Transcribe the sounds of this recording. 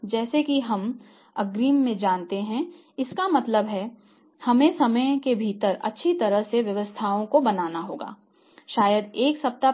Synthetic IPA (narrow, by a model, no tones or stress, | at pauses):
d͡ʒɛːsekiɦɐm | ɐɡɾiːmːẽd͡ʒãːnt̪eɦɛ̃ | ɪskamɐt̪ləbɦɛ | hɐmẽsɐməjkebʱiːt̪əɾɐ̰tːʃʰit̪ɐɾəɦseʋjɐʋəst̪ʰaːõkobɐnaːnaɦoːɡa̰ː | ʃaːjəd̪eːksɐp̚t̪a